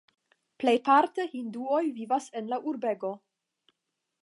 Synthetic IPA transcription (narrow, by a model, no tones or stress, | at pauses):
plejpaɾtehinduo̞jvivase̞nlaʔuɾbe̞ɡo̞